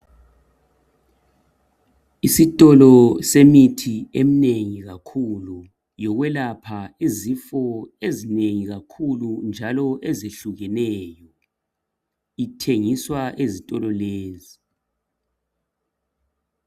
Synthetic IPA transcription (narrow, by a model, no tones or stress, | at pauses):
isitʼɔlɔsemitʰiem̩neŋiɣakʰulu | jɔɣwɛlapʰaizifɔezineŋiɣakʰulund͡ʒʱalɔʔezeɬuɣɛnɛːjɔ | itʰeŋiswaʔezitʼɔlɔleːzi